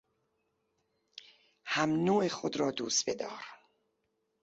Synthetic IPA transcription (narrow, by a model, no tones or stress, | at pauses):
hæmnoːexod̪ɾɒːd̪uːst̪be̞d̪ɒːɾ